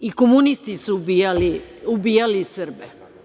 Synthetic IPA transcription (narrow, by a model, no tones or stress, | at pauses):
ikomunist̪isubijaliubiːjalisɨrbe